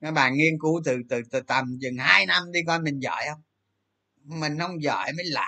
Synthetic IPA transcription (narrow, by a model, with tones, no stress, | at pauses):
nɔː˨˦jɓa̰ː˧˨nŋi˧ənku˨˦t̪ɨ˨˩t̪ɨ˨˩t̪ɨ˨˩t̪ə˨˩mzɨ˨˩ŋhaː˧jna˧mɗi˧kɔ˧jmï˨˩ŋ̟zə̰ː˧˨jhə˧wŋ͡m | mï˨˩ŋ̟hə˧wŋ͡mzə̰ː˧˨jməː˨˦jla̰ː˧˨